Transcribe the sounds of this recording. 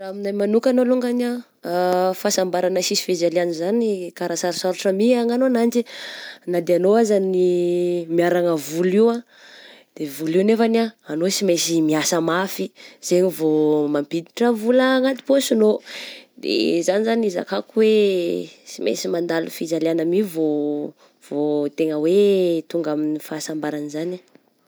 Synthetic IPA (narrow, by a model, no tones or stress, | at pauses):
raminajmanukʲanoluŋɡana | fasambaɾanəsisi̥fed͡ʒalianizanikaɾasaɾisaɾuʈ͡ʂəmiaŋanonand͡ʒinad̪eanoazanimiaɾaŋəvuliwã | d̪̥evuliwnefanaːnosimesimiasəmafiz̥eɲivomampid̪iʈ͡ʂavuləŋat̪i̥posinod̪ḛzanizaniza̰kakuwe | simḛsimand̪alufizaleanamivo | v̥ot̪eŋəwet̪uŋɡaminifaːsambaɾanizana